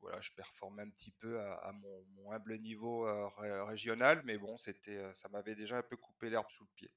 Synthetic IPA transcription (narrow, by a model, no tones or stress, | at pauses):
vwa̰la̰ʒə̥pɛʁfɔʁmɛɛ̃p̚t̪ʰipøaa̰mɔ̃mɔ̃ɛ̃blənivoøʁeʁeʒjɔnalmɛbɔ̃set̪ʰɛøsamavɛd̪eʒaɛ̃pøkupelɛʁbsuləpjḛ